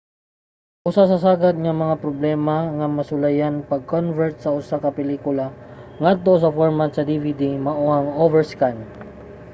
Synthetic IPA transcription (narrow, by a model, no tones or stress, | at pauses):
ʔʊsasɐsaːɡɐd̪̚ŋɐmɐŋapɾoblɛːmɐŋɐmɐsʊlɐjanpɐɡ̚konvɛɹt̪̚sɐʔʊsakɐpɛliːkʊla | ŋad̪̚t̪o̞s̬ɐfoɹmat̪̚sɐd̪ivid̪imɐʔoʔɐŋʔoːvɛɹskan